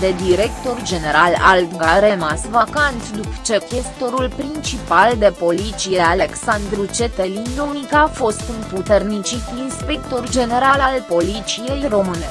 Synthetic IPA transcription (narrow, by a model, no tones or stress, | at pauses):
d̪e̞d̪iɾe̞kt̪o̞rd͡ʒe̞ne̞ɾala̰lŋɡaɾemasvakant̪d̪upə̥t͡ʃe̞kʲest̪o̞ɾulpɾint͡ʃipald̪e̞po̞lit̪sije̞aleksand̪ɾut͡ʃe̞t̪elind̪onikaafo̞st̪ɨnput̪ernit͡ʃit̪inspekt̪o̞rd͡ʒe̞ne̞ɾalalpo̞lit̪sije̞jro̞mɨne